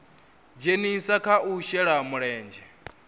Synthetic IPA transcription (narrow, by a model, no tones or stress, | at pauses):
d͡ʒenisakʰaʔuʃɛɺamuɺɛːnd͡ʒɛ